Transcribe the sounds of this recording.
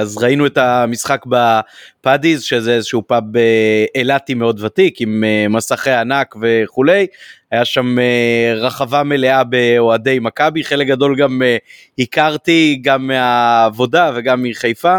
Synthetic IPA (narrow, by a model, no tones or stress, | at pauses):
azʁainue̞tamisχakbapadizʃezeezeʃupabeelatime̞o̞dvatikimemasaχejanakve̞χule̞jajaʃameʁaχavame̞leabe̞oade̞jmakabiχe̞lek̚ɡado̞lɡame | hikaʁtiɡamːeaːvo̞dave̞ɡamːiχejfa